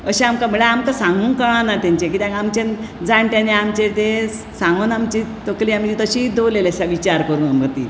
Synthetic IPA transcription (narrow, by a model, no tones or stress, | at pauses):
əɕeamkaməɭeamkasãŋɡuːnkəɭ̃ãnat̪jaɲt͡ɕekit̪jãkamt͡ɕend͡zaɳʈ̪jãneamt͡ɕet̪e | sãŋɡonamt͡ɕit̪okliːamt͡ɕit̪əɕid̪olelesaʋit͡ɕaɾkəɾuːnaməɡt̪ḭː